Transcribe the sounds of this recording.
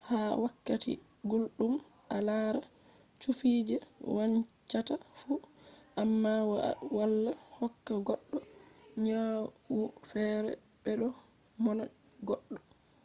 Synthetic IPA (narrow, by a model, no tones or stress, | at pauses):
hawakːatḭ | ɡulɗum | alaɾa | t͡ʃufid͡ʒɛwaɲt͡ʃatafuʔamːawwalːahɔkːaɡɔɗːɔɲawufɛɾɛ̰ | bɛɗɔ | mɔna | ɡɔɗːɔ